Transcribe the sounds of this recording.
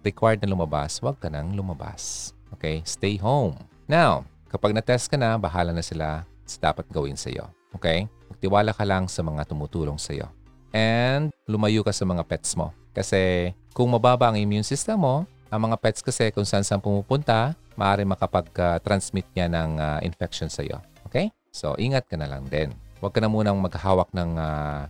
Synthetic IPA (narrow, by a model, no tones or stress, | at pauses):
ɾɪkwajd̪̚nɐlʊmɐba̰swɐɡ̚kɐnɐŋlʊmɐba̰sʔoːkɛjst̪ɛjɦowm | naw | kɐpaɡ̚nɐt̪ɛst̪̚kɐnɐbɐɦaːlɐnɐsɪla̰ | sɐ̥d̪a̰ːpɐt̪̚ɡɐwɪ̰nsɐ̰jo̞̰ʔokɛjmɐɡ̚t̪ɪwaːlakɐlɐŋsɐmɐŋat̪ʊmuːt̪uːlo̞ŋsɐjo̰ | ʔɛnd̪̚lʊmɐjuːkɐsɐmɐŋapɛt̪̚smo̞̰ | kɐsɛ | kʊŋmɐbaːbɐʔɐŋʔɪmjunsist̪ɛmːo̞ | ʔɐŋmɐŋapɛt̪skɐsɛkʊŋsɐʔansʔɐŋpʊmuːpʊnt̪a | mɐʔaːɾɪŋmɐkɐpɐɡ̚at̪ɾɐnsmɪt̪̚ɲanɐŋaʔɪ̰nfɛk̚ʃonsɐ̰jo̞̰ʔʔoːkej | so̞̰ʔiːŋɐt̪̚kɐnɐlɐ̰ŋd̪ɛnwɐɡkːɐnɐmuːnɐŋmɐɡɐhaːwɐk̚nɐŋa